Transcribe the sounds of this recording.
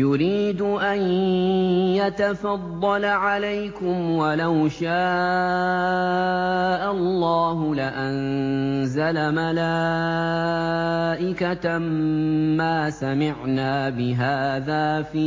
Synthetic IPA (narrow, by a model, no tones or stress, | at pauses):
jʊɾiːd̪ʊʔan | jat̪afɑd̪ˤːɑlaʕalajkʊmwalawʃaː | ʔalːɑːɦʊlɪʔanzalamalaː | ʔɪkat̪aː | aːsamɪʕnaːbɪɦaːðaːfiː